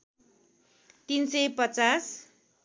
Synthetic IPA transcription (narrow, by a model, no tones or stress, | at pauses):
t̪insʌjpʌt͡sas